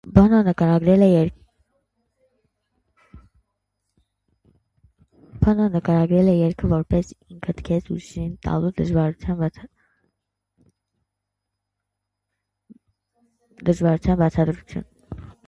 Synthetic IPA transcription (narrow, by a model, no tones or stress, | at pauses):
bɑnɔnəkɑɾɑɡɾɛlɛɛɾ | bʰɑnɔnəkɑɾɑɡɾɛlɛjɛɾkʰəvɔɾpɛsiŋkʰət̪kʰɛt͡sʰṵʃint̪ɑ̰lud̪əʒvɑɾut͡sʰjɑn | d̪əʒvɑɾut͡sʰjɑnbɑt͡sʰɑd̪ɾut͡sʰjṵn